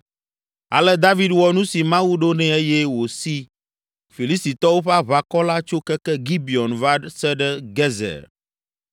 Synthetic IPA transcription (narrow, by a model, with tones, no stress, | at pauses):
a̰˨lɛ˦d̪a˦vi˦d̪wɔ˨nũ˦si˨mã˦wu˦ɖo˦nɛ̃˨e˦jɛ˦wo˨si˦ | fi˨li˦st̪i˨t̪ɔ˦wo˦ɸɛ˦a˦βa˨kɔ˦la˦t͡ʃo˦kɛ˦kɛ˦ɡi˦bi˨ɔ˨nva˦sɛ˦ɖɛ˦ɡɛ˦zɛ̰˨ɾ